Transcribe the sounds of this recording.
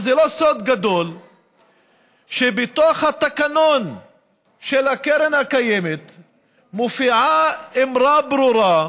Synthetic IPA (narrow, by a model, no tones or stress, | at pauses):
zelosod̪ɡad̪o̞l | ʃebet̪oχhat̪akanon | ʃelakeɾenhakajemet̪ | mofiʕaemɾabɾuɾa